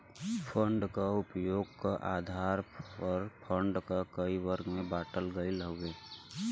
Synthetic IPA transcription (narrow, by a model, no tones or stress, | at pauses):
pʰəɳɖkaʊpjoːɡkaʔaːd̪ʱaːɾəɾpʰəɳɖkakəiwəɾɡmẽbaːʈəlɡəiləɦʊweː